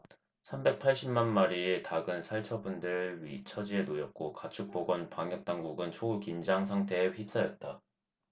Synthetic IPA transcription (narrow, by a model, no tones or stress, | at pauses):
sʰambe̞k̚pʰaɭɕ͈immanmaɾitaɡɯnsʰaɭt͡ɕʰʌbundɯɭɥit͡ɕʰʌd͡ʑienojʌt̚k͈okat͡ɕʰuk̚p͈oɡwʌnpaŋjʌk̚t͈aŋɡuɡɯnt͡ɕʰoukind͡ʑaŋsʰaŋtʰe̞ːɸip̚s͈ajʌt̚t͈a